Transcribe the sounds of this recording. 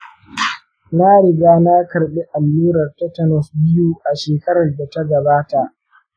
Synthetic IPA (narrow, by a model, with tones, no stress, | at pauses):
na˦ɽɪ˨ɡaː˦na˦kɐ˨rɓe˦ʔa˨lːuː˦ɾɐ˨rta˦tɐ˨nɔ˨sbɪ˦juː˦ʔa˨ʃeː˨kɐ˦ɾɐ˨rda˨ta˦ɡɐ˨baː˦ta˨ʔ